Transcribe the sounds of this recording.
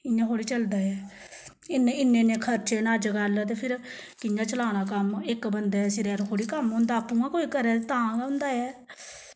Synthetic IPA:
ɪjãːkoːɽiːt͡ʃəld̪aːjɛː | ɪneɪnːẽːnẽːkʰəɾt͡ʃeːnaːd͡ʒəɡaːlaːt̪̬eːpʰɪɾkɪjãːt͡ʃəlaːnaːkəmɪkbənd̪aːsɪɾɛːɾkʰoːɽiːkəmɦʊ̃nd̪aːpːũːãːkoːiːkəɾɛːt̪ãːɡɦʊ̃nd̪aːjɛː

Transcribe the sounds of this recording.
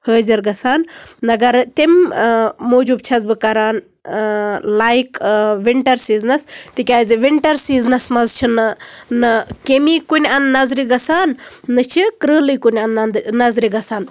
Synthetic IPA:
həːziɾɡɐsaːnːɐɡɐɾt̪im | moːd͡ʒuːb̚t͡ʃʰɐzbɨkɐɾaːn | laːjkʋiɳʈɐɾsiːznɐst̪ikʲaːzʲiʋiɳʈɐɾsiːznɐsmɐzt͡ʃʰinɨnɨkemiːkunʲɐnd̪nɐzɾiɡɐsaːnːɨt͡ʃʰikɾəːlɨːkunʲɐnd̪ɐnd̪nɐzɾiɡɐsaːn

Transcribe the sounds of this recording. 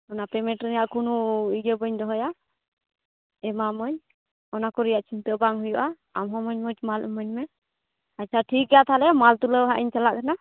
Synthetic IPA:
ɔnapɾɛmɛʈɾinjaʔkunuiɡəbəɲd̪ɔɦɔja | ɛmamɔɲ | ɔnakɔɾɛjaʔt͡ʃʰint̪əʔbaŋɦujɔʔa | amɦɔmɔɲmɔt͡ʃmalʔɛ̰mɔɲmɛ | at͡ʃʰaʈʰikːɛjat̪ʰalɛmalt̪uləwɦaʔiɲt͡ʃalaʔkana

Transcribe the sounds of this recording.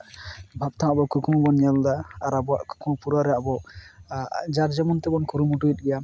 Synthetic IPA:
bʱap̚t̪ʰãabɔkukʰumɔbɔnjald̪aːɾabɔaʔku̥kʰumɔpuɾaɾɛaʔbɔ | d͡ʒaɾd͡ʒɛmɔnt̪ɛbɔnkʰuɾumuʈuit̪̚ˀɡɛjam

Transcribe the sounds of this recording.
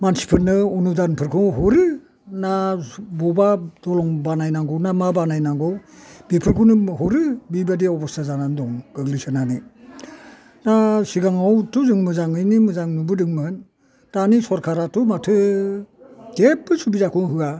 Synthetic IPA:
mansi̥pʰɯɾnɯɔnudanpʰɯɾkʰuŋɦɔɾɯ | nabɔbad̥ɔlɔŋbanajnaŋɡɔwnamabanajnaŋɡɔwbipʰɯɾkʰunɯhɔɾɯbibadiɔbɔstazanandɔŋɡ̥ɯɡlisɯnani | nasiɡaŋawtuzɯŋmɯzaŋɯjnimɯzaŋnubɯdɯŋmɯn | tanisɔɾkʰaɾatumatʰɯ | kep̚ːɯsubizakʰuŋɦɯa

